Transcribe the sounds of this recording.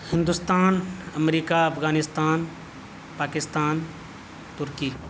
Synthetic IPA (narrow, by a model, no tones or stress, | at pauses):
hɪ̃nd̪ust̪aːnəmɾiːkaɐpʰɡaːnɪst̪aːn | paːkɪst̪aːn | t̪ʊɾkiː